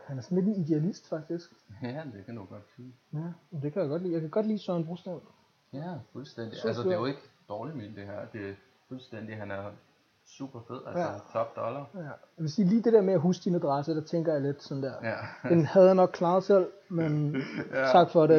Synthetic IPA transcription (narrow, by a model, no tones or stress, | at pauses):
hænæɐsɒ̽n̩le̝d̥enid̥eælisd̥fɑ̈ɡ̥̚d̥isɡ̥æd̥ekʰæd̥uɡ̥ɒ̽d̥siːjæd̥e̝kʰæjɑɡ̥ɒ̽d̥lḭːjɑɪkʰæɡ̥ɒ̽d̥lḭːsœɐnb̥ʁusd̥æn | jæfulsd̥en̰d̥iælsədejoe̝ɡ̥əd̥ɒːlimind̥e̝hæɐ̰d̥e̝æ | fulsd̥en̰d̥iɦænæɐ | sṵːb̥ɐfeð̰ˠælst͡sʰɒ̽b̥̚d̥ɒ̽lɐæjɑʋe̝siːliːd̥e̝ɾeɐ̰meæɦuːsd̥inæd̥ʁɑsəd̥ɑ̈t͡sʰeŋ̰ɡ̥ɐjɑ̈le̝d̥sɒ̽n̩d̥eɐ̰̥enhæðˠhænɒ̽ɡ̥̚kʰlɑ̈ːð̩ˠsel̰ment͡sʰɑ̈ɡ̥fɒ̽ɾe